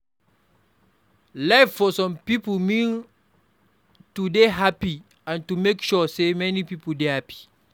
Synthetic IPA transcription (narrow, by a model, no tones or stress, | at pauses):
laɪffɔsɔ̃mpipolmĩn | tudeɦapi | ãntumekʃɔsemɛnipipoldehapi̥